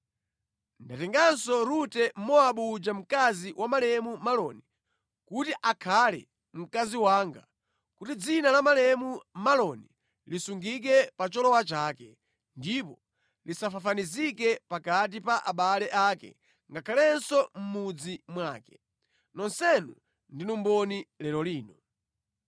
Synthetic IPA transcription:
ndatɛŋɡansɔɾutɛmɔaɓud͡ʒam̩kaziwʔamalɛmumalɔni | kutiʔakʰalɛ̰ | m̩kaziwaːŋɡa̰ | kutid͡zinalamalɛmumalɔni | lisuŋɡik̬ɛpat͡ʃɔlɔwat͡ʃaːkɛ | ndipɔ | lisafafanizikɛpakat̬ipaʔaɓalɛʔaːkɛ̰ | ŋɡakʰalɛnsɔm̩mud͡zimwaːkɛ̥ | nɔnsɛnṵ | ndinumbɔnilɛlɔliːnɔ

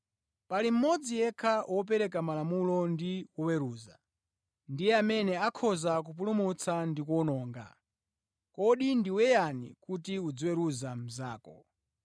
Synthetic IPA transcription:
palim̩mɔd͡zijɛkʰawɔp̬ɛɾɛk̬amalamulɔndiwɔwɛɾuːza̰ | ndijɛamɛnɛakʰɔzak̬up̬ulumut͡sʰandikɔnɔːŋɡa̰ | kɔɗindiwɛjanḭkutiud͡zɔwɛɾuzam̩zaːkɔ̰

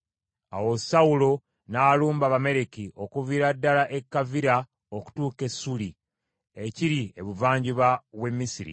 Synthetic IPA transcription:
a̰wo̞sawulo̞ | naluːmbaβame̞ɾekiʔo̞kuviɾadːalaʔekːaviɾa | oku̥tuːke̞suli | e̞ciɾie̞βuvaːɲɟiβaβwe̞mːisiɾḭ

